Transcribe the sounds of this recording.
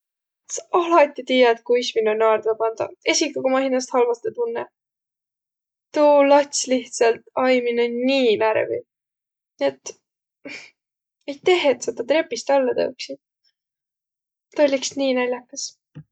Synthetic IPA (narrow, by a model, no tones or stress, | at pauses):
sɑɑlɑt̪ʲːit̪iːjɑt̪̚kujsminonʲɑrd̪vɑpɑnd̪̥ɑ̰e̞sʲikuɡomɑɦinɑst̪hɑlvɑst̪et̪unːɛ | t̪ulɑt̪ʲsliht̪sɑlt̪ɑjminonniːnæɾvḭ | net̪ːˑ | ejt̪e̞ɦet̪sed̪̥ɑt̪ɾe̞pːˑist̪ɑlːɑt̪ɤ̰wksid̪̥̚ | t̪olʲːiksniːnælʲjɑkːɑs